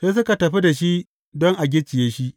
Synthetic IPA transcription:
seː˦s̬ʊ˦ka˨tɐ˨ɸi˦da˨ʃi˦ | dɔ˦ŋʔa˨ɡʲɪ˦t͡ʃɪ˨jeː˦ʃi˦ʔ

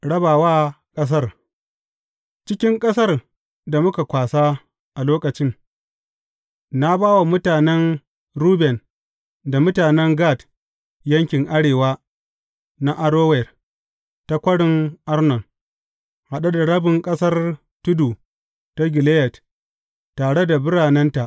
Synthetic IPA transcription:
ɽɐ˦baː˨waː˦ | kʼɐ˦s̬ɐ˦r | t͡ʃɪ˦kʲɪ˦ŋkʼɐ˦sɐ˦r | da˨mʊ˦ka˨kʷaː˨saː˦ | ʔa˨loː˦kɐ˨t͡ʃɪ˦ŋ | na˦baː˦wa˨mʊ˦taː˨nɛ˦n | ɾuː˦bɛ˨n | da˨mʊ˦taː˨nɛ˦ŋɡaː˦˨t | jɐ˦ŋkʲɪ˨ŋʔa˦ɽeː˨waː˦ | na˦ʔa˦ɽoː˦wɛ˨r | ta˦kʷɐ˦ɽɪ˦ŋʔa˦rnɔ˨n | ha˨ɗa˦da˨ɽɐ˦bɪ˨ŋkʼɐ˦sɐ˦r | tʊ˦duː˨ | ta˦ɡʲɪ˨leː˦jɛ˨t | taː˨ɽe˦da˨bɪ˦ɽaː˨nɛ˦nta˨ʔ

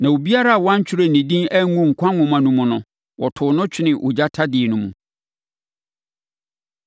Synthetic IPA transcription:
nã˨wo˨bi˦a˦ɾa˦a˨wã˦ɲ˦t͡ɕʰᶣɪ˦ɾɛ˦˨nĩ˨dĩ˦nɛ˦ŋũ˦ŋ̩˨kʷʰã˦ŋʊ̃˨mã˨nũ˦mʊ̃˨nʊ̃˨ | wɔ˨tʰʊ˨nʊ̃˦t͡ɕʰᶣɪ˦nɪ̃˨ʔo̰˨d͡ʑa˦tʰa˦dɪ˨ɛ˨nʊ̃˦mṵ̃˨

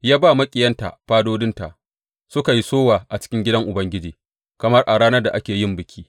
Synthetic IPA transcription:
jaː˦baː˦˨mɐ˦kʲʼɪ˨jɐ˦nta̰˨ɸaː˦doː˦dɪ˦nta˨ʔ | sʊ˦ka˨ji˦soː˦waː˨ʔa˨t͡ʃɪ̥˦kʲɪ˦ŋɡʲɪ˦dɐ˦ŋʔʊ˨bɐ˦ŋɡʲɪ˦d͡ʒiː˨ | kɐ˨mɐ˦rʔa˨ɽaː˦nɐ˦rda˨ʔa˦kʲeː˨jɪ˦˨mbɪ˨kʲʰiː˦

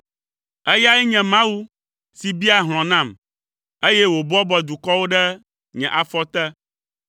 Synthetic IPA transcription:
ɛ˦ja˦ɛ˦ɲɛ̃˨mã˦wu˦ | si˨bi˦a˨ɦl̃ɔ̃˨nã˦˨m | e˦jɛ˦wo˨bɔ˦bɔ˨d̪u˨kɔ˦wo˦ɖɛ˦ | ɲɛ̃˨ʔa˨fɔ˦t̪ɛ˦

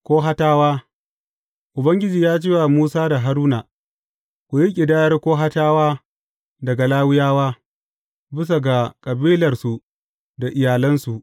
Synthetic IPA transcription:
kʷoː˦ɦa˦taː˦waː˦ | ʔʊ˨bɐ˦ŋɡʲɪ˦d͡ʒiː˨jaː˦t͡ʃeː˦wa˨muː˦saː˦da˨ɦa˦ɾuː˦naː˨ | kʷu˨ji˦kʲʼɪ˨daː˦jɐ˦rkʷoː˦ɦa˦taː˦waː˦ | dɐ˨ɡa˨laː˦wɪ˦jaː˦waː˦ | bɪ˦s̬a˨ɡa˨kʼɐ˨biː˦lɐ˨rsu˨ | da˨ʔɪ˨jaː˨lɐ˦nsu˨ʔ

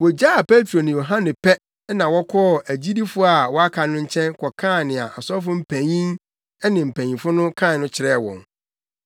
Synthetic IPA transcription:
wɔ˨d͡ʑa˦a˨pʰe˦tʰɾo˨nɪ̃˨jo˨ɦã˦nɪ̃˨pʰɛ˦ | nã˨wɔ˦kʰɔ˦˨ʔæ˨d͡ʑi˦di˦fʊ˦a˨wɔ˦a˦kʰa˨nʊ̃˦ɲ̩˦t͡ɕʰɛ̃˦nkʰɔ˨kʰã˦˨nɪ̃˨a̰˨ʔa˨sɔ˦fʊ˦m̩˦pʰæ̃˨ɲĩ˦n | ɛ˦nɪ̃˨m̩˨pʰæ̃˨ɲĩ˨fʊ˦nʊ̃˦kʰã˦˨nʊ̃˦t͡ɕʰɪ˨ɾɛ˦˨wɔ̰̃˨ŋ

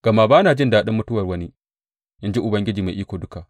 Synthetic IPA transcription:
ɡ̥a˨ma˦baː˦naː˨d͡ʒɪ˦ndaː˦ɗɪ˦mːʊ˦tʊ˦wɐ˨rwɐ˦ni˦ | ʔɪ˦nd͡ʒi˦ʔʊ˨bɐ˦ŋɡʲɪ˦d͡ʒiː˨ma˨ʔiː˦kʷoː˨dʊ˦ka˨

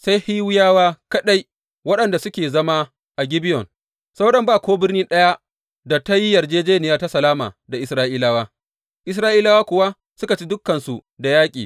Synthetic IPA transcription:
sa˦jhiː˦wɪ˦jaː˦waː˦kɐ˦ɗa˦j | wɐ˦ɗɐ˨nda˨sʊ˦kʲeː˨zɐ˦ma˦ | ʔa˨ɡʲɪ˦bɪ˦jɔ˨n | sa˦wɗɐ˦mbaː˦˨kʷoː˦bɪ˦rnɪ˦nɗɐ˦ja˦ | da˨ta˦ji˦jɐ˨rd͡ʒeː˦d͡ʒeː˦nɪ˨jaː˦ta˦sɐ˨laː˦ma̰ː˨da˨ʔɪ˨˦sɾaː˦ʔiː˦laː˦waː˦ | ʔɪ˦s̬ɾaː˦ʔiː˦laː˦waː˦kʷʊ˨wa˦ | sʊ˦ka˨t͡ʃi˦dʊ˦kːɐ˨nsu˨da˨jaː˦kʲʼiː˨

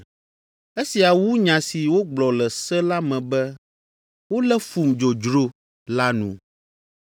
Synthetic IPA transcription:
e˦si˨a˨wu˦ɲã˨si˨wo˦ɡ͡blɔ˨lɛ˨sɛ˦la˦mɛ̃˨bɛ˦ | wo˦lɛ˦fu˨md͡ʒo˨d͡ʒɾo˦ | la˦nṵ̃˨

